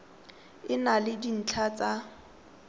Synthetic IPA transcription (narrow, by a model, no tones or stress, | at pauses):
ɪnalɪdin̩t͡ɬʰat͡sa